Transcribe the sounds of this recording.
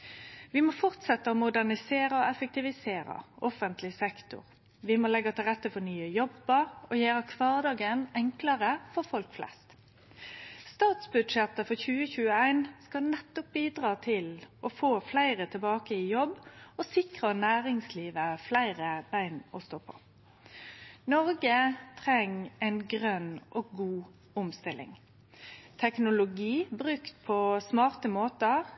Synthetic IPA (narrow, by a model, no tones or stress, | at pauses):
ʋɪmoːfɔʁt̪sɛt̪ːəomʊd̪æʁnɪseːɾəɔɛfək̚t̪ɪʋɪseːɾɑ̰ʔɔfənt̪ʰlɪsɛkt̪ʊ̰ʁ | ʋɪmoːlɛɡːɑt̪ʰɪlʁɛt̪ːəfɔʁnyːəjɔbəɾɔjøːɾɑkʰʋɑːʁd̪ɑːɡənɛŋkləʁəfɔʁfɔlkflʔɛ̰st̪ | st̪ɑːt̪sbʉd̪ʂɛt̪ːəfɔçʉːəçʉːəæɪnskɑnɛt̪ːɔp̚biːd̪ʁɑːt̪ʰɪlʔɔfoːflæɪʁət̪ʰɪlbɑːkəɪjɔbːɔsɪkʁənæːʁɪŋsliːʋəflæɪʁəbæɪnɔst̪oːpʰɔ̥̰ | nɔʁɡət̪ʰʁɛŋæɪnɡʁœnːʔɔɡɡuː | ʊmst̪ɪlɪ̰ŋ | t̪ʰɛknʊlʊɡiːbʁʉkt̪pʰɔsmɑːʁt̪əmoːt̪ə